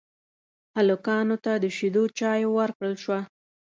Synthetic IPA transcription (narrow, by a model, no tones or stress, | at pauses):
halʊkɑnot̪ad̪əʃid̪ot͡ʃɑjwəɾkɽəlʃwa